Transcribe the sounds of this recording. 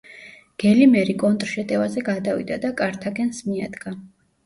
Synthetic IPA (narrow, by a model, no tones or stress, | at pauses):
ɡ̥ɛlimɛɾikʼɔnt̪ʼɾʃɛt̪ʼɛvazɛɡad̪avḭd̪ad̪akʼaɾt̪ʰaɡɛnsmiad̪̥ɡa